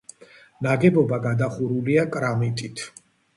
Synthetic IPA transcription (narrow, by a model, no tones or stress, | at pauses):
naɡɛbɔbaɡad̪aχuɾuliakʼɾamit̪ʼit̪ʰ